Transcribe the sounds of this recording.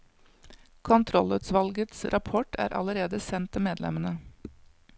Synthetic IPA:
kʰʊnt̪ʰɾɔlət̪sʋɑlɡət̪sɾʔɑpʰɔʈʰæ̰ːɾʔɑ̰ləɾeːd̪əsɛnt̪ʰːɪmeːd̪lɛ̰mənə

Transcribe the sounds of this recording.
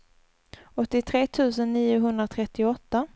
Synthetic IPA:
ɔt̪ːɪt̪ʰɾeːt̪ʰʉ̟ːsənːiːʊɦɵnd̪ɾat̪ʰɾɛt̪ːɪɔt̪ːa

